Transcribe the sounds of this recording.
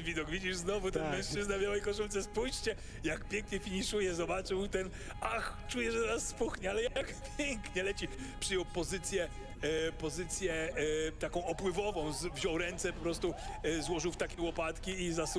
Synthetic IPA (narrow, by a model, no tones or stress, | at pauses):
vʲid̪ɔɡvʲid͡ʑiʐznɔvut̪ɛnmɛ̃ʂt͡ʂɘznavbʲjawɛjkɔʂult̪sɛspujɕt͡ɕɛ | jakpʲjeŋkɲɛfʲiɲiʂujɛzɔbat͡ʂɨwt̪ɛn | axt͡ʂujɛʐɛd̪ɔnasːpuxɲɛalɛjajakpʲjeŋkɲɛlɛt͡ɕipʂɘjɔwpɔzɘt̪sʲjɛ | pɔzɘt̪sʲjɛt̪akɔ̃w̃ɔpwɘvɔvɔ̃w̃zvʑɔwɾɛnt̪sɛpɔpɾɔst̪uzwɔʐɨwft̪akʲɛwɔpat̪kʲiizas